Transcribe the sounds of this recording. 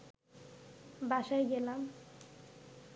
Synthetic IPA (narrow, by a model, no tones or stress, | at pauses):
baʃajɡelam